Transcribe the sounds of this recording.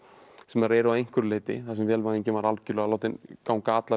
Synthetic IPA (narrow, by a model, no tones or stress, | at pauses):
sɛmaɾɛːɾʏaðejŋ̥kvʏɾleːt̪ɪ̰θasɛmvɛːlvaðiɲcɪvaɾalcʏlœɣaloːwt̪ɪnkaːwnkaːt̪la